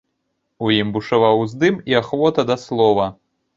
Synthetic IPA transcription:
ujimbuʂavawzd̪ɨmiaxvɔt̪ɐd̪ɐslˠɔvɐ

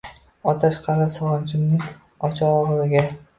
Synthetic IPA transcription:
ɒt̪ʰaʃqʰɑlasɒʁɒnt͡ʃʰɪmnɪŋ | ɒt͡ʃʰɒːʁɨzɪɡʲa

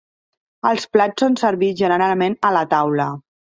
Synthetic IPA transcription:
əlˠsplat͡ssonsəɾβiʒənəɾalˠmenələt̪awlə

